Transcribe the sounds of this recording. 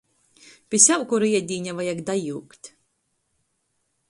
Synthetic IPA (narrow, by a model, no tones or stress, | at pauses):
pʲisʲawkuɾiɛd̪ʲiːɲʲavajakd̪ajuːkt̪ʲ